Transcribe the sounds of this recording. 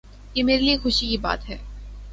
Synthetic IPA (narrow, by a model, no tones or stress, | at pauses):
jemeːɾeliexʊʃikiba̰ːt̪ɦɛː